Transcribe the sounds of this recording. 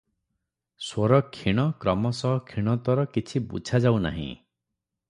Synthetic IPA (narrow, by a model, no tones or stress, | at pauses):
swɔɾɔkʰːiɽ̃ɔkɾɔmɔsɔɦɔkʰiɽ̃ɔt̪ɔɾɔkit͡ʃʰibut͡ʃʰad͡ʒawna̰ɦḭ̃